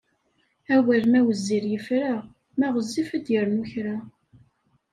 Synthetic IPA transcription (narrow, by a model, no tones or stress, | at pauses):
æwælmæwəzːiɾjəfɾa | mæʁəzːifæd̪jəɾnuçɾa